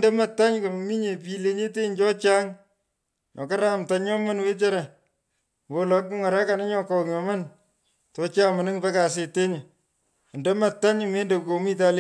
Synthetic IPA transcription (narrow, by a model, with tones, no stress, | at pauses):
dɛ˦ma˨tːa˦ɲko˨mi˦ɲe˨pi˨le˦ɲe˦te˦ɲt͡ʃɔ˦t͡ʃa˦ŋ | nɔ˨ka˦ɾa˦mta˨ɲɔ˦ma˦nwe˦t͡ʃa˦ɾa˨ | wo˨lɔ˨kːu˦ŋa˨ɾa˦ka˨nɔ˦ɲɔ˦kɔ˨kɲɔ˨ma˦n | tɔ˨˦t͡ʃa˦ma˨nɪ˦ŋpe˦ka˨s̬e˨te˦ɲ˨ | ndɛ˦ma˨tːa˦ɲme˦nde˨kko˨mi˦t̬a˦le˦